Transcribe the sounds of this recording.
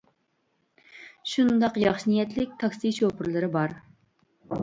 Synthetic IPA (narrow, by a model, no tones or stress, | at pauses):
ʃund̪ɑqjɑχʃinijɛt̪lɪk̚ʲt̪ʰɑksiʃopʰɨɾlˠɨɾɨbɑɾ